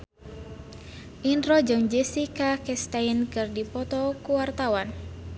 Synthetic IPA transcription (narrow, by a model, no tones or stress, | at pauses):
ʔinɾɔd͡ʒɔŋd͡ʒɛsikakɛst̪ainkɨrdipɔt̪ɔkuwart̪awan